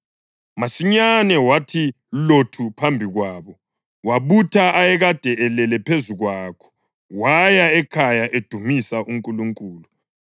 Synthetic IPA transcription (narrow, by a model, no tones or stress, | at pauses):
masiɲanɛwatʰi | lotʰupʰambʱiɣwaːβɔ | waβutʰaajɛɣad̥ʱɛɛlɛlɛpʰezuɣwakʰɔ̥ | wajaɛkʰajaʔed̥ʱumisaʔuŋkʼuluŋkʼuːlu